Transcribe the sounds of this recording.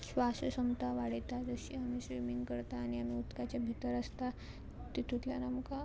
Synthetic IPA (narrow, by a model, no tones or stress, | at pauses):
ɕʋasəsəmt̪aʋaɽet̪ad͡zəɕiːamiɕʋimiŋɡkəɾt̪aːñiamiut̪kat͡ɕjabʱit̪əɾəst̪a | t̪it̪uʈ̪ljanamka